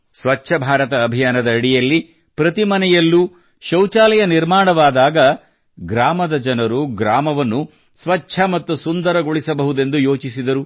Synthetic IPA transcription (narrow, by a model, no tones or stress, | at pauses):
sʋɐt͡ʃːʃʰɐbʱaːɾɐt̪ɐːbʱijaːnɐd̪ɐːɽijɐlːi | pɾɐt̪imɐnɛjɐlːu | ʃɐwt͡ʃaːlɐjɐniɾmaːɳɐʋaːd̪aːɡɐ | ɡɾaːmɐd̪ɐd͡ʒɐnɐɾuɡɾaːmɐʋɐnːu | sʋɐt͡ʃːʃʰɐmɐt̪ːusund̪ɐɾɐɡoɭisɐbɐɦud̪e̞nd̪ujo̞ːt͡ʃisid̪ɐɾu